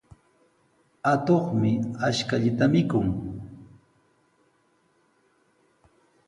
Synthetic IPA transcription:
at̪oχmɪaʃkaʎɪt̪amɪkʊŋ

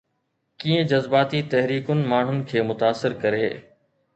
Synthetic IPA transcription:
kiːẽd͡ʑɐzbaːt̪it̪ɛɦɾiːkʊnɪ̆maːɳ̤ʊnɪ̆kʰeːmʊt̪aːsːɪɾkɐɾeː

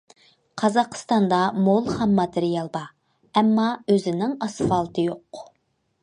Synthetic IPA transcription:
qʰɑzɑqʰə̥st̪ɑnd̪ɑmolˠhɛmːɑt̪ʰeɾijɑlˠbɑ | ɛmːɑøzɪnɪŋɑsfɑlˠt̪ʰɨjoq

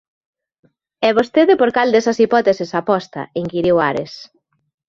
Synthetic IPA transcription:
ɛβost̪eðepoɾkald̪esɐsipɔt̪esɪsapɔst̪ɐ̰iŋkiɾiwaɾes

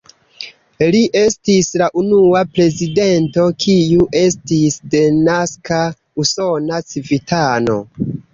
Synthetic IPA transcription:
liʔe̞stislaʔunuapɾe̞zide̞nto̞kʰiuʔe̞stisde̞naska | uso̞nat͡sivitano̞̰

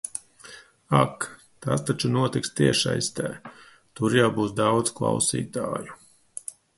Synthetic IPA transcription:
ak | t̪ast̪at͡ʃunuɔt̪ikst̪iɛʃa̰jst̪ɛ̰ː | t̪uɾjawbuːsd̪awd̪zklˠa̰wsḭːt̪a̰ːju

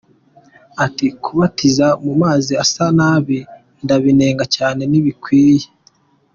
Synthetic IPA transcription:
atikuβatizamumaːziasanaːβi | ndaβine̞ːŋɡacaːne̞niβikwiːje̥

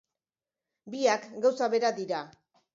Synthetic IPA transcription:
biakɡawsaβe̞ɾad̪iɾa

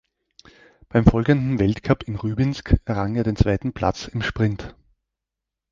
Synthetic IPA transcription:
b̥aɪmfɔlɡəndn̩vɛltkʰapʰɪnʁyːbɪnskɛɐʁaŋeːɐɾeːnt͡sv̥aɪtn̩pʰl̥a̰t͡sɪmʃpʁ̥ɪnt

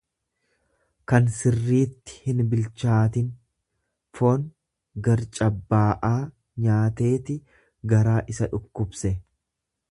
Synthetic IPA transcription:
kɐnsɪrːiːt̪ːɪ̥hɪnbɪlt͡ʃaːt̪ɪn | foːn | ɡɐɾt͡ʃʼɐbːaːʔaː | ɲaːt̪e̞ːt̪ɪ | ɡɐɾaːʔɪsɐᶑʊkːʊbsɛ

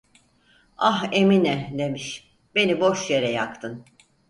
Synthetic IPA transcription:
aɦeminɛd̪e̞miʃ | be̞nibo̞ʃjeɾɛjakt̪ʰɯn

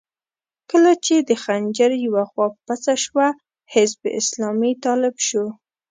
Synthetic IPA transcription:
kəlat͡ʃed̪əxand͡ʒəɾjawaxwɑppat͡saʃwa | hɪzbʔɪ̰slɑmit̪ɑlɪbʃo

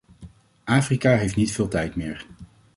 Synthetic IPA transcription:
ʔaːfrikaːɦejftnitfɪːlˠtɛjtmɪːɹ

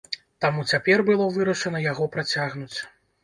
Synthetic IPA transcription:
t̪amut͡sʲapʲɛrbɨlˠɔvɨɾɐʂɐnɐjaɣɔpɾat͡sʲaɣnut͡sʲ

